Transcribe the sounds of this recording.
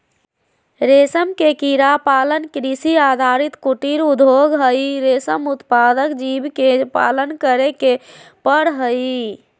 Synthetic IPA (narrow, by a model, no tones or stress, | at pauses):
ɾesəmkekiɾapalənkɾisiad̪ʱaɾit̪kuʈiɾud̪ʱoɡɦəjɾesəmut̪pad̪əkd͡ʒibkepa̰lənkəɾekepəɽɦəj